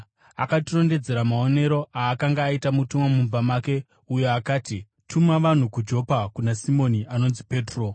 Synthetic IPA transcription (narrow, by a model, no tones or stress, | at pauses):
a̰katiro̞nde̞d͡ze̞ɾamao̞ne̞ɾo̞ʔaːkaŋɡaːitamutumomumbamake̞ | ujo̞akaːti | tʰumaʋan̤ukud͡ʒo̞ːpakunasimo̞niʔano̞nzipe̞ːtro̞